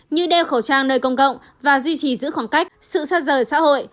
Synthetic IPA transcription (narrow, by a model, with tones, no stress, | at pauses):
ɲɨ˧ɗɛ˧wxə˧˩wt͡ɕaː˧ŋnəː˧jkə˧wŋ͡mkə̰˧˨wŋ͡m | vaː˨˩zwi˧t͡ɕi˨˩zɨ̰˧˥xwaː˧˩ŋka˦˥jk̚sɨ̰˧˨saː˦˥t̚zəː˨˩jsa̰ː˧˥ho̰˧˨j